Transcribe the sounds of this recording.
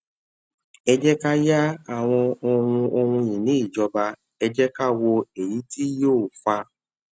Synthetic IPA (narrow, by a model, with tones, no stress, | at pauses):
ɛ˧d͡ʒɛ˦ka˦ja˦a˦˨w̃ɔ̃˧o˧hũ˧o˧hũ˧jĩ˨nĩ˨˦i˦˨d͡ʒɔ˧ba˧ | ɛ˧d͡ʒɛ˦ka˦wɔ˧e˨ji˨˦ti˦joː˦˨fa˧